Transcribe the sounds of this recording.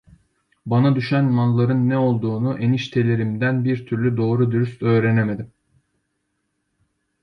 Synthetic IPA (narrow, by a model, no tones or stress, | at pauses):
banad̪yʃænmanlˠaɾɯnːɛo̞lˠd̪uːnuʔeniʃt̪ʰe̞lʲe̞ɾimd̪ænbiɾt̪ʰyɾlʲyd̪o̞ːɾud̪yɾyst̪ø̞ːɾeneme̞d̪im